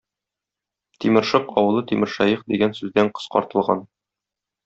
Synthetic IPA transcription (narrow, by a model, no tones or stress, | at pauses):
t̪imɘ̆ɾʃɤqɒwɤ̆lˠɤt̪imɘ̆ɾʃæjɤqd̪iɡænsʉzd̪æɴqɤ̥̆sqɒ̰ɾt̪ɤ̆lˠʁɑn